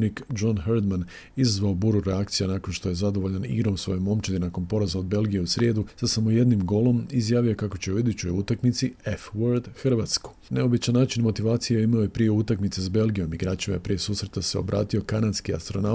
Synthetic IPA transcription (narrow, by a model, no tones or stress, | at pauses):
nikd͡ʒonxeɾd̪man | izazʋaobuɾuɾeak̚t̪sijanako̞nʃt̪o̞je̞zad̪oʋo̞ʎanḭɡɾo̞msʋo̞̰jomo̞mt͡ʃed̪inako̞npo̞ɾazaod̪̚be̞lˠɡijeusɾjeːd̪usasamo̞jed̪nimɡo̞lo̞mizjaːʋijokako̞t͡ɕeuid̪ut͡ɕo̞jut̪akmit̪siefʋoɾd̪xrʋat̪sku̥ | ne̞o̞bit͡ʃanːaːt͡ʃinmo̞t̪iʋaːt̪sijeimaojepɾije̞ut̪akmit̪sesbe̞lˠɡijo̞miɡɾaːt͡ʃima̰jepɾijesuːsɾe̞t̪aseo̞̰bɾʔa̰ːt̪io̞kanad̪skia̰st̪ɾo̞na